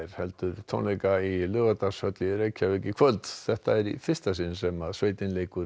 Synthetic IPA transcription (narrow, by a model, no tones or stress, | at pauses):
ɾ̥hɛlt̪ʏɾt̪ʰɔ̰nlejkailʏːɣat̪ashœt̪lɪɾejcʰavɪcːɪkʰvœlt̪θɛht̪aɛɾifɪ̥st̪asɪnsɛmaðsveːjt̪ɪnleːjkʏɾ